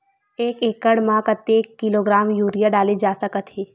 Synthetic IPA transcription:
eːkeːkəɽmãːkət̪ːeːkːɪloɡɾaːmjuːɾijaɖaːled͡ʒaːsəkət̪ɦeː

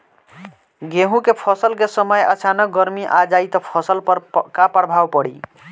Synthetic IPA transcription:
ɡeɦũkepʰʌsəlkesəməjət͡ʃʰanək̚ɡʌɾmiʔad͡ʒajt̪ɔpʰɔsəlkapəɽbʱawpəɽi

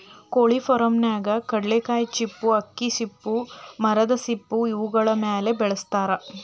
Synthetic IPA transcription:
koːɭifɔɾɐmnaːɡɐkɐɽlekaːjt͡ʃipːuɐkːisipːumɐɾɐd̪ɐsipːuiʋuɡɐɭɐmeːle̞bɛɭɐst̪aːɾɐ

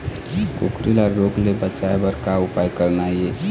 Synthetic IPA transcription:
kokɾilaɾoɡlebət͡ʃaebəɾkaʊpajkəɾnaie

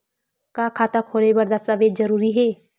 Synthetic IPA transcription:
kaːkʰaːt̪akʰoːɽebɐɾd̪asaʋeːd͡ʒɐɾuːɾiɦɛː

